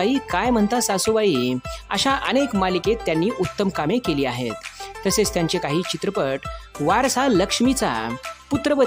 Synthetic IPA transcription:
iːkajm̤əɳt̪asasubaiːə̰ɕaʔənekmaliket̪ːjanːiːʔut̪ːəmkamekeliːaɦḛt̪ːəset͡st̪jaɲt͡ɕekaɦiːt͡ɕit̪ɾəpəʈʋaɾsaləkʂmit͡sa̰put̪ɾəʋə

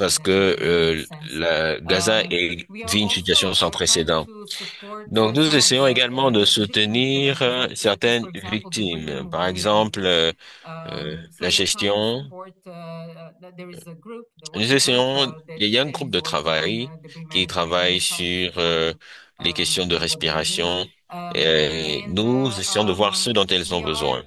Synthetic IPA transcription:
paʁsə̥kə | ləɡazɛ̃ʔɛviynsit̪yasjɔ̃sɑ̃pχesed̪ɑ̃ | d̪ɔ̃knuzesejɔ̃eɡalmɑ̃d̪əsut̪əniʁsɛʁt̪ɛnvik̚t̪impaʁɛɡzɑ̃plø̰ | laʒɛst̪jɔ̃ | nuzesɛjɔ̃ijaɛ̃ɡʁup̚d̪ət̪χavajkʲit̪χavajsyʁ | lekʲɛst̪jɔ̃d̪əʁɛspiʁasjɔ̃ | enuzesɛjɔ̃d̪əvwaʁsəd̪ɔ̃t̪ɛlzɔ̃bəzwɛ̰̃

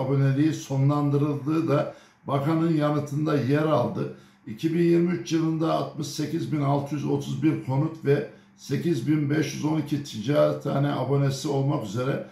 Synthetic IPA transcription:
abo̞ne̞lʲijiso̞nlˠand̪ɯɾɯlˠd̪ɯːd̪a | bakanɯnjanɯt̪ʰɯnd̪ajɛɾalˠd̪ɯ | icʰibinjiɾmiyt͡ʃjɯlˠɯnd̪aːt̪mɯʃse̞cizbinalˠt̪ʰɯjyzo̞t̪ʰuzbiɾkʰo̞nut̪vɛ | se̞cizbinbɛʃjyzo̞nicʰit̪ʰid͡ʒaːɾt̪ʰa̰ːnɛʔabo̞ne̞sio̞lˠmakyze̞ɾɛ

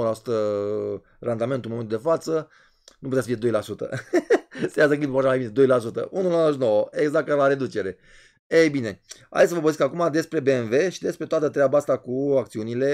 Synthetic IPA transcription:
lasu̥t̪ə | rʔand̪ament̪ulnmoe̞nt̪ud̪e̞fat̪sə | nutput̪easəfie̞d̪ojlasut̪ə̰ | səjas̬əklimpepmaʃamajbine̞d̪o̞jlasut̪ə̰ʔunulaaʃnowəeɡzak̚t̪ːaɾlaɾe̞d̪ut͡ʃe̞ɾe̞ | ejbine̞a̰d̪esəvəbozeskakumad̪e̞spɾe̞beenve̞ʃid̪e̞spɾe̞t̪oat̪ət̪ɾeabaast̪akuak̚t̪siunile̞

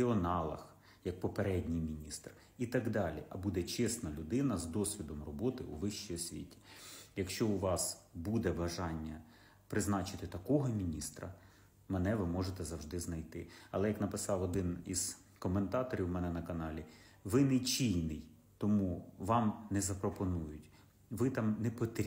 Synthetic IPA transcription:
eɔnɑlˠɐ̰x | jɐk̚pɔpeɾɛdʲnʲijmʲinʲist̪r | it̪ɐɡd̪ɑlʲḭʔɐbud̪ɛt͡ʃɛsnɐlʲʊd̪ɪnɐzd̪ɔsʲʋʲid̪ɔmrɔbɔt̪ɪʔṵʋɪʃt͡ʃijɔsʲʋʲḭtʲi̥jɐkʃt͡ʃɔʊʋɑsbud̪ɛbɐʒɑnʲːɐ | pɾɪznɑt͡ʃɪt̪ɪt̪ɐkɔɦɔmʲinʲist̪ɾɐ̰ | mɛnɛʋɪmɔʒet̪ɛzɐwʒd̪ɪznɐjt̪ɪ̰ɐlˠɛjɐknɐpɪsɑwɔd̪ɪnḭz̥ | kɔment̪ɑt̪ɔɾʲiwmɛnɛnɐkɐnɑlʲi | ʋɪnɛt͡ʃʲijnɪj | t̪ɔmuʋɑmnɛzɐpɾɔpɔnujʊtʲ | ʋɪt̪ɑmnɛpɔt̪ɾʲ

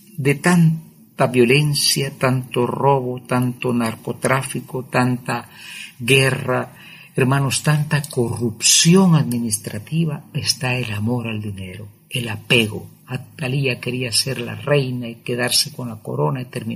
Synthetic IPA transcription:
d̪e̞t̪an | t̪aβjo̞le̞nsjat̪ant̪oro̞βot̪ant̪onaɾko̞t̪ɾafikot̪ant̪aɣera | eɾmãnost̪ant̪ako̞rupsjo̞ŋaðminist̪ɾat̪iβaest̪aelamo̞ɾald̪ine̞ɾo | elapeɣo̰ | at̪aliake̞ɾiase̞ɾla̰re̞jnaikeð̞aɾseko̞nlako̞̰ɾo̞nait̪eɾmi

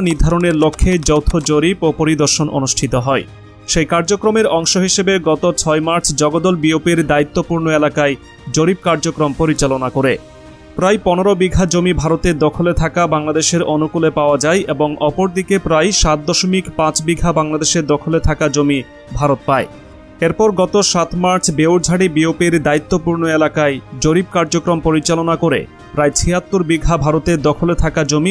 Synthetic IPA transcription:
niɾd̪ʱaɾoneɾlokʰːed͡ʑɔwt̪ʰod͡ʑoɾipopoɾid̪oɾʃonʔo̰nuʃʈʰit̪oɦɔe | ʃejkaɾd͡ʑokɾomeɾɔŋʃoɦiʃebeɡɔt̪ot͡ɕʰɔemaɾt͡ɕʰd͡ʑɔɡod̪ɔlbiopiɾd̪ait̪ːopuɾnoelakae | d͡ʑoɾib̚kaɾd͡ʑokɾompoɾit͡ɕalonakoɾe | pɾajpɔneɾobiɡʱad͡ʑomibʱaɾot̪ed̪ɔkʰolet̪ʰakabaŋlad̪eʃeɾɔnukulepaoad͡ʑaeʔeboŋʔɔpoɾd̪ikepɾajʃat̪̚d̪ɔʃomikpãt͡ɕbiɡʱabaŋlad̪eʃeɾd̪ɔkʰolet̪ʰakad͡ʑomi | bʱaɾot̪̚pae | eɾpɔɾɡɔt̪oʃat̪maɾt͡ɕʰbewɾd͡ʑʱaɽibiopiɾd̪ait̪ːopuɾnoelakaed͡ʑoɾib̚kaɾd͡ʑokɾompoɾit͡ɕalonakoɾḛ | pɾajt͡ɕʰiɦat̪ːuɾbiɡʱabʱaɾot̪ed̪ɔkʰolet̪ʰakad͡ʑomi

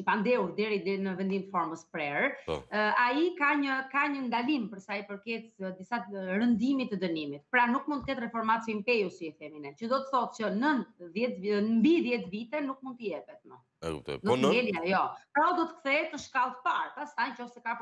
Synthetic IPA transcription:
əpand̪ɛuɾd̪ɛɾinəvɛnd̪imt̪əfɔɾməspɾɛɾ | aikaɲəkaɲənd̪alimpəɾsajpəɾkɛt͡sd̪isaɾənd̪imit̪ːəd̪ənimit̪̚pɾanuk̚mund̪əkɛt̪rɛfɔɾmat͡simpɛjusiɛfɛminɛlt͡ʃəd̪ɔt̪əθɔt̪t͡ʃənənðjɛt̪mbiðjɛt̪vit̪ɛnuk̚mund̪̚t̪əjɛpɛt̪mə̰ | nɔɛljɛjɔpɾɔd̪ɔt̪ə̥kθɛt̪əʃkalˠt̪paɾpast̪ajt͡ʃɔfsɛka

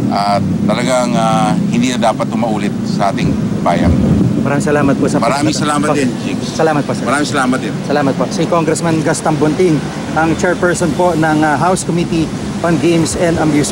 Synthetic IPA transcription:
ʔat̪ːɐlɐɡaŋahɪnd̪iːnɐd̪aːpɐt̪̚ʊmɐʔuːlɪt̪̚sɐʔaːt̪ɪŋba̰ːjɐ̰ŋmɐɾaːmɪ̃ŋsɐlaːmɐt̪̚poʔsɐmɐɾaːmɪŋsɐlaːmɐtɐnd͡ʒiksɐlaːmɐt̪̚poʔsɛmɐɾaːmɪŋsɐlaːmɐt̪̚ɪnsɐlaːmɐt̪̚poʔsikoŋɡɾɛsmɐnɡɐst̪ɐŋbʊnt̪ɪŋ | ʔɐŋt͡ʃɛɹpɛɹsonponɐŋɐɦawskomit̪i | ʔonɡejmsɛnd̪ɐmjuːs

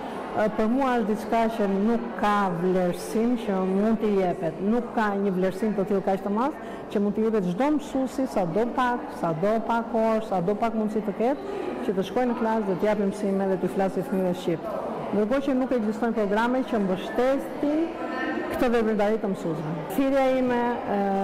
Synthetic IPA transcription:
pəɾmuaəʃt̪d̪it͡ʃkat͡ɕənukʰːavlɛɾsimt͡ɕəmund̪t̪əjɛpɛt̪nukːaɲəvlɛɾsimt̪ət̪ilˠkat͡ʃt̪əmas | cəmund̪t̪əjɛpɛt̪ʒd̪ɔməsusisad̪ɔpaksad̪ɔpakɔɾsad̪ɔpakmund̪sit̪əkɛt̪̚t͡ɕət̪əʃkɔjnəklasðɛt̪əjap̬əmsimɛðɛt̪iflasifmiɾɛʃcip | nd̪əɾk̬ɔt͡ɕənukɛɡzist̪ɔjnpɾɔɡɾamɛcəmbəʃt̪ɛt̪in | kt̪əvɛbind̪aɾit̪əmsusvɛ | fiɾjaimɛ

